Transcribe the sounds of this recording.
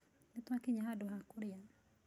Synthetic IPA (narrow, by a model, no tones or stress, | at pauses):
nɪt̪akɪɲaɦadoɦakuɾja